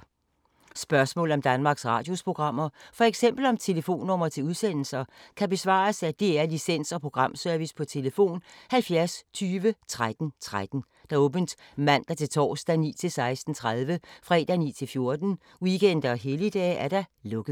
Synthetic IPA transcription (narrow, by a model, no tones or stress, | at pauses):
sb̥ɶɐsmɔ̰ləɒ̽md̥ænmɑ̈ːɡ̥sʁɑ̈ːd̥jo̝spʰʁo̝ɡ̥ʁɑ̈m̰ɐfɒ̽eɡ̥sem̰b̥l̩ɒ̽mt͡sʰe̝ləfo̝̰ːnːɔ̽m̰ɐt͡sʰe̝uð̞ˠsen̰l̩sɐkʰæb̥e̝sʋɑ̰̈ːsæd̥e̝æɐlisen̰sɒ̽pʰʁo̝ɡ̥ʁɑ̈m̰sœɐʋispʰɒ̽t͡sʰe̝ləfo̝̰ːnhælfjæɐst͡sʰyːʋət͡sʰʁad̥n̩t͡sʰʁad̥n̩ | d̥ɑ̈ɔ̽ːb̥n̩d̥mæn̰d̥ɑ̈t͡sʰe̝lt͡sʰɒ̰ːsd̥ænḭːt͡sʰe̝lsɑ̈ɪsd̥n̩t͡sʰʁað̞ˠʋəfʁɛd̥ænḭːt͡sʰe̝lfjo̝ɐd̥n̩ | wiken̰d̥ɐɒɦelid̥ɛ̰ːæɐɾ̥ɑ̈lɔ̽ɡ̥ə